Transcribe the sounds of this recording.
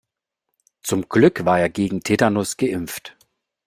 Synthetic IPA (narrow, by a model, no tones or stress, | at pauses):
t͡sʊmɡ̥lʏkv̥aːɐeːɐɡeːɡŋ̩tʰedanʊsɡ̥əʔɪmft